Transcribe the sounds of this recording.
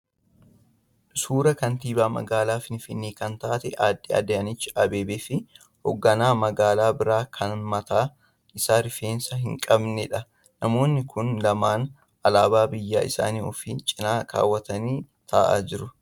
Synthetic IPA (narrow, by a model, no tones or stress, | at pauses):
suːɾɐkɐnt̪iːbaːmɐ̰ɡaːlaːfɪnfɪnːiːkɐnt̪aːt̪ɛʔaːd̪ːiɐ̰d̪eɐnɪt͡ʃːɪʔɐbe̞ːbeːfɪ | hɔɡːɐnaːmɐɡaːlaːbɪɾaːkʰɐnmɐt̪aː | ɪsaːɾɪfeːnsɐɦɪŋkʼɐbnɛᶑɐ | nɐmo̞ːnːɪkʰʊnlɐmaːn | ɐlaːbaːbɪjːaːɪ̰sa̰ːniːɔfiːt͡ʃʼɪnaːka̰ːwːɐt̪ɐniː | t̪ʰɐːʔa̰ːd͡ʒɪɾʊ